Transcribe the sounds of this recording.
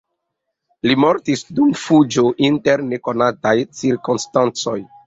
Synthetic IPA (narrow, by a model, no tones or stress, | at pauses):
limo̞ɾtisdumfud͡ʒoʔinteɾne̞ko̞natajt͡siɾkonstant͡so̞j